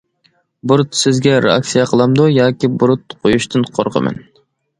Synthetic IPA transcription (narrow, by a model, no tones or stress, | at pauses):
buɾt̪sɪzɡʲɛɾḛɑ̰ksijɑqʰəlˠɑmd̪ujɑːkʲibuɾut̪̚qʰojuʃt̪ʰɨnqʰo̰ɾʁə̰mɛ̰n